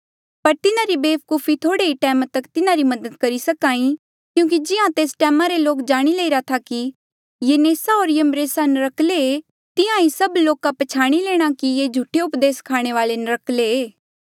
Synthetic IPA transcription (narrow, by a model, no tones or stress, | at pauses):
pɐɾt̪ɪnãɾibeːpkuːfʰit̪ʰoːɽeiʈɛːmat̪ɐkt̪ɪnãɾimɐd̪əd̪kɐɾisɐkaːĩ | kjũːk̬id͡ʒɪãt̪eːsʈɛːmãɾeloːkd͡ʒaːɽ̃ileiɾat̪ʰaki | jeneːsaoːɾjeəmɾeːsanɐɾɐklee | t̪ɪãisɐbloːkapɐt͡ʃʰaːɽ̃ileːɽ̃akijed͡ʒʱuʈʰːeʊpd̪eːskʰaːɽ̃eʋaːlenɐɾɐkleeː